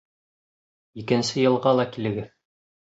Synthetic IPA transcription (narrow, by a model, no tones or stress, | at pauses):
ikɘ̆nsɘjɤ̆lˠʁɑlˠɑkilɘ̆ɡɘð